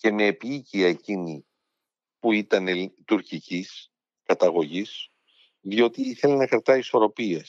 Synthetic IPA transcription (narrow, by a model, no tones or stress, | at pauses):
ce̞me̞ːpiiciɐe̞cini | puit̪ɐnet̪uɾcicis | kɐt̪ɐɣo̞ʝis | ðio̞t̪iiθe̞lenɐkɾɐt̪ɐiso̞ɾo̞pies